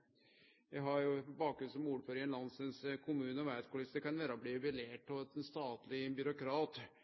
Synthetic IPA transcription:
ʋæɪɦɑɾjʊbɑːk̚ɡɾʉnsɔmuːɖəføːɾɪənlɑnsənskʰʊmʉːnəɔʋæːt̪kʊlɪsəkɑnʋæːɾɔbliːbɪleːʈ̚pɔt̪ɛnst̪ɑːt̪lɪbʏɾʊkʰɾɑːt̪

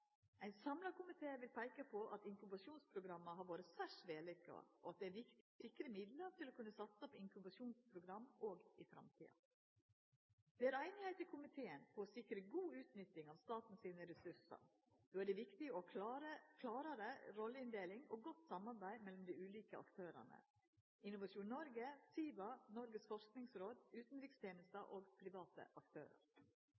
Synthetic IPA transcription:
æɪnsɑmlɑkʰʊmɪt̪ʰeːʋɪlpʰæɪkəpʰɔʔɑt̪ɪŋkʉbɑʂuːnspʰɾʊɡɾɑmːəɦɑɾʋoːɾəsæʂʋeːlɪkɑ̰ɔ̰ɑt̪̚d̪ɛæɾʋɪkt̪ɪ̥sɪkɾəmɪd̪lət̪ʰɪlɔkʰʉnːəsɑt̪sɔpɪŋkʉbɑʂuːnspʰɾʊɡɾɑmːoːɡɪfɾɑ̰mt̪ʰḭːɑ̰ | d̪̥ɛæɾæɪnɪhæɪt̪ɪkʰʊmɪt̪ʰeːənpʰɔɔsɪkɾəɡuːʉːt̪nʏt̪ːɪŋɑʋst̪ɑːt̪n̩siːnəɾɛsʉʂɑ̰ | d̪̥oːæɖɛʋɪkt̪ɪɔɾəkʰlɑːɾɑɾəɾɔlːəɪnd̪eːlɪŋo̰ːɡɔt̪ːsɑmɑɾbæɪmɛlɔmd̪iʉːliːkəɑ̰kt̪ʰøːɾə̰nə̰ | ɪnʊʋɑʂuːnnɔɾɡəsiːbɑnɔɾɡəsfɔɾsknɪŋsɾoːd̪ʉːt̪n̩ɾɪkst̪ʰjeːnəst̪əʔoːɡpʰɾɪʋɑːt̪ə̰ʔɑkt̪ʰø̰ːɾə̰ɾ

